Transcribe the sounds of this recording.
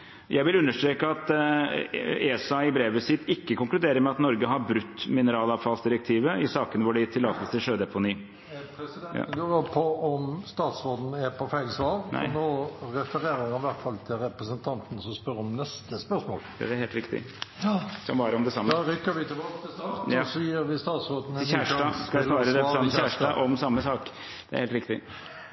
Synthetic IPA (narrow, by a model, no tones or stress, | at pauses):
jʔæɪʋɪlʉnːəʂt̪ɾeːkəɑt̪ | eːsɑɪbɾeːʋəsɪt̪ːɪkːəkʊŋklʉd̪eːɾəɾmɛɑt̪nɔɾɡəɦɑɾbɾʉt̪ːmɪnəɾɑːlɑʋfɑlsd̪ɪɾək̚t̪ʰiːʋəɪsɑːkənʋʊɖɛt̪ʰɪlɑːt̪əlst̪ʰɪlʂøːd̪ɛpʊniː | pː | əpʰɔɔmst̪ɑːt̪sʁoːd̪n̩ɛpʰɔfæɪɡsʋɑːɾnʔæ̰ɪnoːɾɛfəɾeːɾəɪʋæʁt̪fɑlt̪ʰɪlɾɛpɾəsənt̪ʰɑnt̪n̩sɔspœɾɔmnɛst̪əspœɾsmo̰ːlɑ̰d̪ɛæɾheːlt̪ɾɪkt̪ɪ̰ | sɔmbɑːɾəɔmd̪ɛsɑmːdɾʏkːəɾʋɪt̪ʰɪbɑːkt̪ɪst̪ɑʁt̪ɑsjiːɾʋɪst̪ɑːt̪sʁoːd̪n̩çæːʂɑːskɑsʋɑːɾəɾɛɑçæːʂʈɑʔɔmsɑmːəsɑːk | d̪̥ɛ̰æɾheːlt̪ɾɪkt̪ɪ